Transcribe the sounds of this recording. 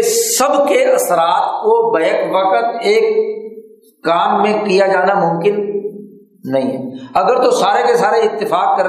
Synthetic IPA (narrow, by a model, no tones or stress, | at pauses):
səbkeʔɐsɾaːt̪kobɐjəkʋəkət̪eːk | kaːnmẽkijad͡ʒaːnamʊ̃mkɪnː | ɐɦĩːɦɛ̰ɐɡəɾt̪osaːɾekesaːɾeɪt̪ːɪfaːkːɐɾ